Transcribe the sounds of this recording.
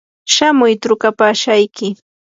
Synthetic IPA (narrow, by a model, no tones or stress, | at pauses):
ʃamʊjt̪ɾʊkapaːʃajkɪ